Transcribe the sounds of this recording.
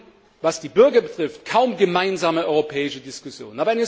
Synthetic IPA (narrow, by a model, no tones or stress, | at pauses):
vasd̥iːbʏɐɡɐbətʁ̥ɪftkʰaʊmɡəmaɪnzaːməʔɔʏʁopʰɛːɪʃədɪskʊsjo̰ːnnaːbɐɛnɛ